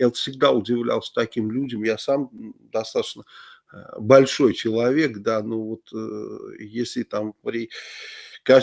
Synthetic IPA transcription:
jat̪fsʲɪɡd̪aʊdʲɪvlʲa̰lˠsʲə̥t̪ɐkʲimlʲudʲɪmjasamd̪ɐst̪at̪ə̥t͡ɕnə | bɐlʲʂo̞jt͡ɕɪlˠɐvʲe̞kd̪ano̞vo̞t̪ | jesʲlʲɪt̪ampɾʲɪ | ka

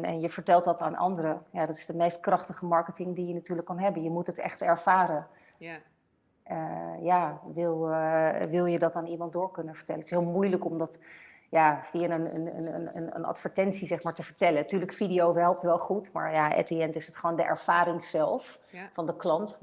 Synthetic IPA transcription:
nɛ̰njəvəɹtɛlˠtɑtaːnʔɑ̰ndəɾəjaːdɑtɪ̥zdəmejst̚krɑχtəχəmɑɹkətɪŋdijənatyːɹləkːɑnɦɛbənjəmutətɛ̰χtɛɹv̥aːɾən | əjaːʋɪlˠʋɪlˠjədɑtaːnimɑntdʊːɹkɵnənvəɹtɛlətɪ̥sɦɪːlˠmujləkɔmdɑt | jaːfianənə̰nə̰nə̰nə̰nə̰nɑ̰tfəɹtɛnsizɛχmaːɹtəvəɹtɛləntyːɹləkfidijowɦɛlˠp̚tʋɛlˠχutma̰ːɹjaʔɛ̰teɛntɪsətχəʋoːwndəʔɛ̰ɹv̥aːɾɪŋz̥ɛlˠf | fɑndəklɑnt

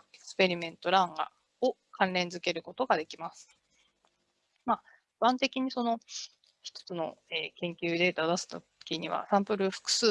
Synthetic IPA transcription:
eksɨ̥pe̞ɾʲimẽ̞nt̪o̞ɾãŋɡa̰ | okʰãnɾẽ̞nd͡zɨke̞ɾɯ̟ko̞t̪o̞ɡad̪e̞kʲimasɨ̥ | maː | bãnt̪e̞kʲiɲ̟iso̞no̞ | çi̥t̪o̥t͡sɨno̞̰eːkẽ̞ŋkʲɨːd̪e̞t̪ad̪asɨ̥t̪o | kʲiɲ̟iβ̞a̰sãmpɯ̟ɾɯ̟ɸɯ̥kɯ̟̥sɨː

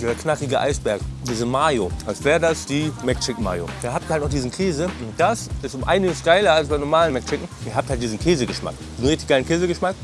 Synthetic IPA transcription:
dːzɐkʰnakɪɡəʔa̰ɪsb̥ɛɐkdiːzəmaːjoʔalsv̥ɛːʁədasd̥iːmɛkt͡ʃɪk̩ma̰ːjo̰d̥aːɐhap̚tiɐhaltnʊχ̬d̥iːzn̩kʰeːzəʊnt̚d̥asʔɪstʊmʔaɪnɪɡəsɡ̥aɪlɐalsb̥aɪnɔɐmaːlənmɛkt͡ʃɪkŋ̩ʔiːɐɦaːp̚thalt̚d̥iːzn̩kʰeːzəɡəʃma̰kd̥iːzn̩ʁɪçtɪçɡ̥aɪlən̩kʰeːzəɡəʃmak

